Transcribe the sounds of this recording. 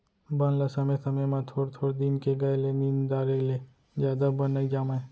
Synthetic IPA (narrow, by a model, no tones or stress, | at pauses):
bɐnlɐsɐmẽsɐmemãt̪ʰoːɽt̪ʰoːɽd̪inkeɡɐelenind̪aːɾele | d͡ʒjaːd̪abɐnːaid͡ʒaːmae